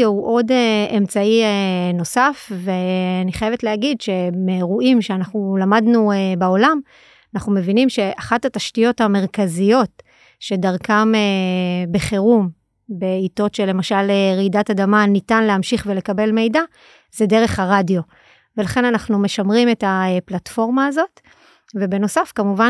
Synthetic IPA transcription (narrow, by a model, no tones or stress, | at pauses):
ouʔo̞deemt͡saieno̞safveaniχajeve̞tleɦaɡidʃe̞meʁuʔimʃeanaχnulamadnuebao̞lam | anaχnume̞vinimʃe̞ʔaχathataʃtijo̞thame̞ʁ̞kazijo̞t | ʃe̞daʁkamebeχeʁum | be̞ito̞tʃelːe̞maʃaleʁidatadamanitanleɦamʃiχve̞le̞kabe̞lme̞jda | zede̞ʁe̞χhaʁadijo̞ | velaχe̞nanaχnume̞ʃamʁime̞taeplatfo̞ʁmaːzo̞t | ve̞be̞no̞safkamuva